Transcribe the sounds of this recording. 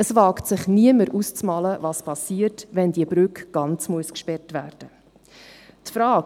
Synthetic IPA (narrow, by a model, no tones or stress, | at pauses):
əsvɑːktsɪχniəməɾʔust͡smɑːləvɑspʰɑsiːəɾtʋɛndiəbɾʏkɡ̥ɑnt͡smuəskʃpɛrtʋæːɾd̥ə | tfɾɑːk